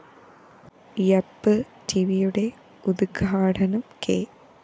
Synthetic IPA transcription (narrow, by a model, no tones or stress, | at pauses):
jɐpːɨ | tiʋijuɽe̞ | ud̪ɡʱaːɽɐnɐmkʰḛ